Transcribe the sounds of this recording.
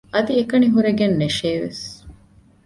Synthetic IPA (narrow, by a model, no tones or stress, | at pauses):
ɐd̪iekɐniɦuɾeɡenːeʃeːʋḛs